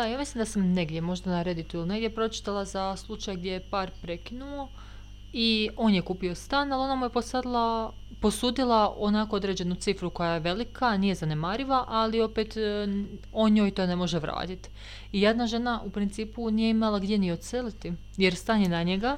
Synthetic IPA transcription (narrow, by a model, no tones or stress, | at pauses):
d̪ajaːmislimd̪asamneɡd̪jemo̞ʒd̪anaɾe̞d̪it̪uiline̞ɡd̪ʲje̞pɾo̞t͡ʃi̥t̪alˠazaslˠut͡ʃajɡd̪jejepaːɾpɾe̞kinuo | io̞ːnjekuːpio̞st̪aːnalo̞namuje̞posad̪lˠa | po̞suːd̪ilˠao̞nakood̪ɾe̞ːd͡ʑe̞nut̪sifɾuko̞jajeʋe̞likanije̞zane̞maːɾiʋaʔalio̞pet̪ | oɲoːjt̪o̞ːne̞mo̞ʒeʋɾa̰ːt̪it̪ | ijed̪naʒe̞naʔupɾint̪siːpunijeimalˠaɡd̪je̞nio̞t̪selit̪i | je̞ɾst̪anjenaɲeɡa